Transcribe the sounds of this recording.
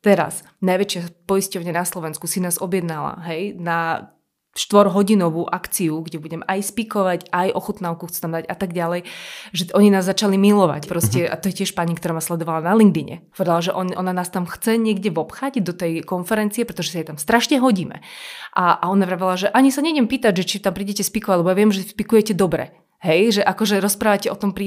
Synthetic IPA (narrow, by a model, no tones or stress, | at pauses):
t̪ɛɾa̰s | najʋɛt͡ʃɪapɔiscɔʊɲɛnaslˠɔʋɛnskusinaːzɔbjɛd̪nala̰ɦɛjna | ʃt̪ʋɔɾɦɔɟinɔʋuʔakt͡siuɡɟɛbuɟɛmɛʔajspikɔʋacajʔɔxut̪naʊkuxt͡sɛ̥t̪amd̪aɟat̪aɡɟalɛjʒɛʔɔɲinaːzːat͡ʃalimilɔʋa̰cpɾɔscɛa̰t̪ɔjɛcɛʃpaɲikt̪ɔɾaːmaslɛd̪ɔʋalanalind̪iɲɛ̰ɦɔʋɔɾilaʒɛʔɔɔnanaːst̪amxt͡sɛɲɪɛɡɟɛʋɔpxaɟd̪ɔt̪ɛjkɔnfɛɾɛnt͡siɛpɾɛt̪ɔʒɛsajɛt̪amst̪ɾaʃɲɛɦɔɟiːmɛ̰ʔaaɔnapɾaʋɛlaʒɛʔaɲisaɲɛɛmpiːt̪aɟʒɛt͡ʃit̪ampɾiːɟɛcɛspikɔʋalɛbɔjaʋɪɛmʒɛspikujɛcɛd̪ɔbɾɛ̰ | ɦɛjʒɛʔakɔʒɛɾɔspɾaːʋacɛʔɔt̪ɔmpɾi